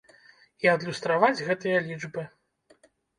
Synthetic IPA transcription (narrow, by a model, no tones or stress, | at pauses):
iɐd̪lʲust̪ɾavad͡zʲɣɛt̪ɨjɐlʲid͡ʐbɨ